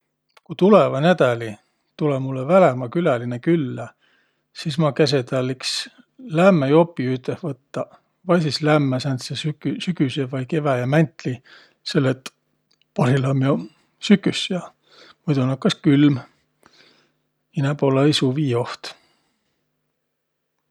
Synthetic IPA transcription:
kut̪ulevɑnæd̪æli | t̪ulemulːevælemɑkylælinekylːæ | sismɑkæs̬et̪ɑliks | læmːæjo̞pːˑiyt̪ːˑehvɤt̪ːɑ | vɑjsislæmːæsænt̪sesykysyɡysevɑjke̞væjɑmænt̪ˑli | se̞lːet̪ | pɑɾilɑmjo | sykːˑysjɑ | mujd̪unɑkːɑskylm | inæpolːɑisuviːo̞ht̪

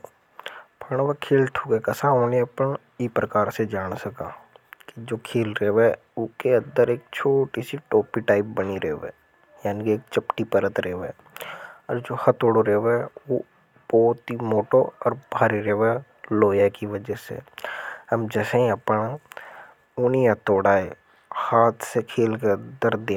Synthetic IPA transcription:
pʰəɳ̃ʋakʰeːlʈʰuːkekɐsaoːneɐpəɳ | iːpɾəkaːɾsed͡ʒaːɽsɐka̰ːkid͡ʒoːkʰeːlɾeːʋ | ʊkeə̃nd̪əɾeːk̚t͡ʃʰoːʈisiʈoːpiʈaːɪp̚bəniɾeɦʋeː | jaːnikieːk̚t͡ʃɐpʈipəɾət̪ɾeːʋɛː | ɔːɾd͡ʒoːhɐt̪oːɽoɾeːʋeɛo | b̥ɔːt̪ɦimoːʈoɔːɾbʱaːɾiɾeʋe | loːjakiʋəd͡ʒsḛhəmd͡ʒɛːsẽĩɐpna | ʊniat̪oːɽaːe | haːt̪ʰsekʰeːlkeənd̪əɾd̪ẽ

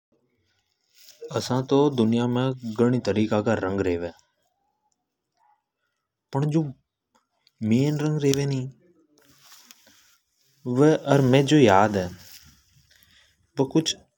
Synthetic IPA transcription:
əsãːt̪oːd̪ʊnɪjaːmẽːɡəɽ̃iːt̪əɾiːkaːkaːɾə̃ŋɡɾeːʋẽː | pəɳd͡ʒoː | meːnɾə̃ŋɡɾeːʋẽːnĩː | ʋeʔəɾmẽːd͡ʒoːjaːd̪ɛː | ʋəkʊt͡ʃʰ

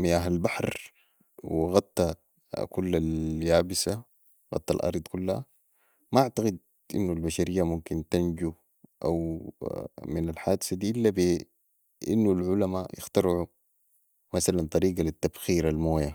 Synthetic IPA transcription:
mijaɦalbaħɾ | wɣɑt̪ˤːɑ | kulːaljaːbisa | ɣɑ̰t̪ˤːɑ̰lʔɑ̰ɾˤd̪ˤkulːha | maʔaʕt̪aɡid̪̚ | ʔḭnːulbaʃaɾijːamumkint̪and͡ʒu | ʔa̰w | minalħaːd̪sad̪iːʔilːabi | ʔḭnːulʕulamajɪ̰xt̪ɑɾʕu | masalant̪ˤɑɾiːɡalit̪ːabxiːɾalmoːja

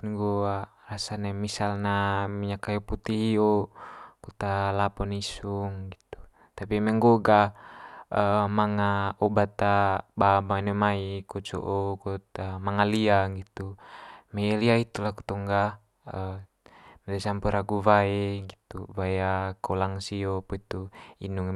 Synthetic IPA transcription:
ŋɡoa | rasanamisalnamiɲakajoput̪iɦiɔkut̪alapɔnisuŋɡit̪u̥ | t̪apimɛŋɡoɡa | əmaŋaɔbat̪ababanomaikɔt͡ʃɔ̰ʔokɔt̪amaŋaliaŋɡit̪umeliait̪ulaku̥t̪ɔŋɡa | ə | mɛdasampuɾʔaɡuvaeɡit̪ṵvajakɔlaŋsiopɔit̪uḭnuŋ

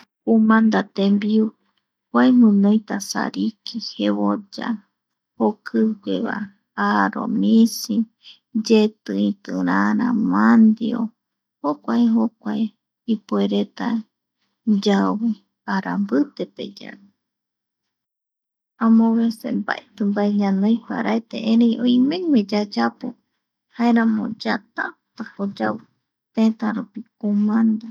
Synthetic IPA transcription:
umãnd̪at̪embiu | kʷaemɨ̃nõjt̪asa̰ɾikiheβod͡ʒa̰ | hokʰɨɡʷeβa̰ | aɾo̰misi | d͡ʒet̪ɨĩt̪ɨɾaɾã̰mand̪io̰ | hokʷaeɦokʷae | ipueɾet̪a | d͡ʒawɨ | aɾa̰mbɨt̪epḛd͡ʒa̰ɾu | ãmõβesemba̰ʔet̪ɨmbaeɲãnõjpa̰ɾʔaet̪ḛʔẽɾejõjmẽmẽd͡ʒad͡ʒapo̰ | haeɾãmõ̰d͡ʒat̪at̪akod͡ʒawɨ | t̪ẽt̪aɾupikomãnd̪a

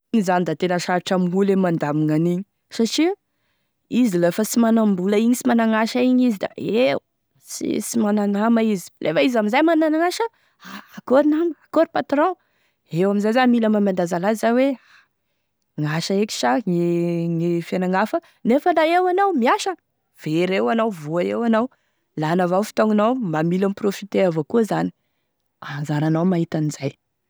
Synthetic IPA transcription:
iɲizanid̪at̪enəʃaɾiʈ͡ʂamulemand̪amiŋaniɲi̥ | saʈ͡ʂi | izilefəsimanambulaiɲisimanaŋaʃaiɲizid̪a̰e | sḭsimananamaizi̥lʔefaizamizajmananaŋaʃə | aːkoɾinaməakoɾipat̪ɾɔ̃ | ewaminzajzamilamamand̪azalaizawea | ŋaʃəeki̥ʃaŋiŋifjanaŋafə | nefəlaewanawmiaʃə | v̥eɾewanawvuaewanaw | lanavawfi̥t̪oŋanawmamilamiprofit̪eavokuzani | anzaɾanawmaɦit̪anizaj

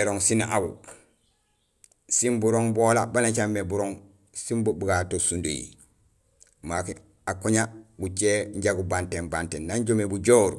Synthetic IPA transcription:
eɾoŋsinʔawu | simbuɾoŋbolabanat͡ʃamːebuɾoŋ | simbubuɡatosundo̰jḭ | mak | akoɲabut͡ʃeɲɟaɡubantembantennaɲɟomebuɟoːɾu

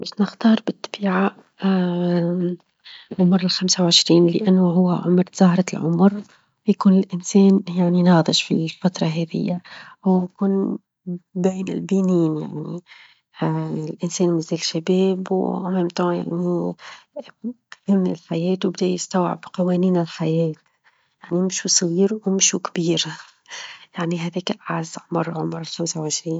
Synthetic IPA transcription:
mɪʃnɪxt̪ɑːɾˤbɪt̪ːḁbiːʕaʔ | ʕʊmɾɪlxamsawʕɪʃɾiːnlɪ̰ʔanːoɦʊwːaʕʊ̰mɾzɑhɾˤɑlʕʊ̰mɾ | wjakuːnɪlʔɪnseːnjaʕninɑːd̪ˤɨʃfḭlfat̪ɾˤɑɦeːðɪ̰jːawjkuːn | beːnɪ̰lbiːniːnja̰ʕni | lʔɪnseːnmɪzeːlʃabeːbwʔameːmt̪oja̰ʕni | hɪmːɪlħajeːt̪wbɪd̪ajɪst̪awʕɪ̰bqɑweːniːnɪlħajeːt̪ | jaʕnimɪʃusˤɣiːɾwmɪʃukbiːɾ | jaʕniɦad̪iːkʔaʕazʕmɑɾˤʕʊmɾˤɪlxamsawʕɪʃɾiːn

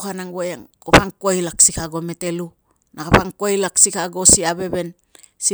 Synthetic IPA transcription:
kanaŋɡojaŋkoɸaŋkoajlaksikaɡo̞me̞te̞lu | nakapaŋkoajlaksikaɡo̞siabe̞βe̞n | si

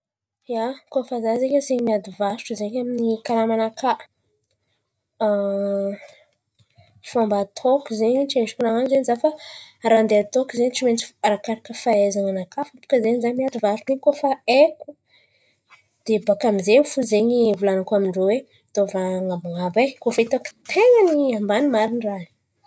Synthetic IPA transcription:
jakofazazeɲazeɲmiad̪ivaɾuʈ͡ʂuzeɲaminikalamanakʰaʔ | fambat̪ʰokuzeɲit͡ʃenʈ͡ʂukunaŋanzeɲizafaɾand̪eat̪okuzeɲit͡ʃimet͡si̥aɾakaɾakəfaezaŋanakafapu̥kəzeɲzaɲmiat̪ivaɾunekofaeku̥ | d̪̥ebakamizeɲfuzeɲivulanakamiɳɖ͡ʐowe | t̪ovaŋabaŋabajkofait̪oki̥t̪ʰeŋəniambanimaɾinrani̥

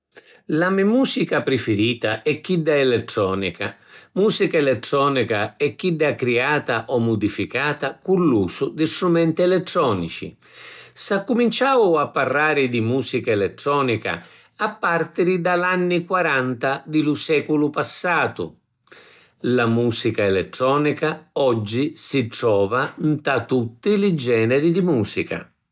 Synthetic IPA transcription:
lamɛmuːsikapɾɪfɪɾiːt̪a̰ɛkːidːaɛlɛt̪ːɾɔːnika̰muːsikaɛlɛt̪ːɾɔːnikaɛkːidːakɾiaːt̪aʔɔmːud̪ifikaːt̪akulːuːsʊd̪ɪst̪ɾumɛnt̪iɛlɛt̪ːɾɔːnḭt͡ʃḭ | sakːumint͡ʃaːʊapːarːaːɾɪd̪imuːsikaɛlɛt̪ːɾɔːnika̰ | apːart̪iɾid̪alanːikwaɾant̪ad̪ɪlusɛːkulʊpasːaːt̪ʊ̰ | lamuːsikaɛlɛt̪ːɾɔːnikaɔd͡ʒːisiʈɾɔːvant̪at̪ut̪ːilɪd͡ʒɛːnɛɾid̪imuːsika̰

